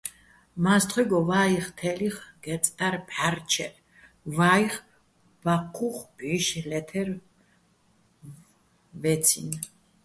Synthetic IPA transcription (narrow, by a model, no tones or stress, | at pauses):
mast̪ʰχwiɡɔvaiχt̪ʰɛliχɡ̥ɛt̪sʼt̪ʼaɾpʰʼaɾt͡ʃʰɛ̰ɾ | vaiχ | baqʰːuχb̥iʃlɛt̪ʰɛɾ | vɛt̪t͡sʰḭn